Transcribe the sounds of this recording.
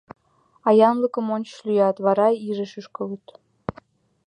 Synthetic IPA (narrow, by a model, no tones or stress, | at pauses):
ɑjɑnləkə̆monʲt͡ɕlʲyjɑt̪βɑɾɑiʒəʃəʃkɤ̆lut̪